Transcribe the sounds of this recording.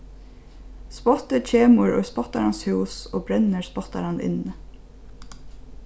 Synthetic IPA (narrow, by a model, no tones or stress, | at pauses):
spɔt̪əc͡çʰeːməɹo̰ːspɔt̪aɾɑnshʉːsoːbɾɛnəɹspɔt̪a̰ɾɑnɪ̰nə